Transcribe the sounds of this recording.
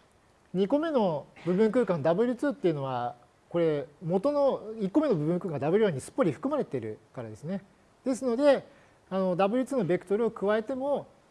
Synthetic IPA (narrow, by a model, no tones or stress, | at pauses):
ɲ̟iko̞me̞no̞bɯ̟bɯ̃ŋk̬ɯ̟ːkãnd̪abɯ̟ɾʲɯ̟t͡sɨːt̪ːe̞iɯ̟no̞βa | ko̞ɾe̞mo̞t̪o̞no̞ikːome̞nobɯ̟bɯ̟̃ŋkɯ̟kãnd̪abɯ̟ɾɯ̟jãɲ̟ːisɨ̥pːoɾʲiɸɯ̟̥kɯ̟maɾe̞t̪e̞ɾɯ̟̰kaɾad̪e̞sɨne̞ | d̪̥e̞sɨno̞d̪e̞ | ano̞d̪abɯ̟ɾʲɯt͡sɨːno̞bʲe̞kɯ̟t̪o̞ɾɯ̟okɯ̟βae̞t̪e̞mo̞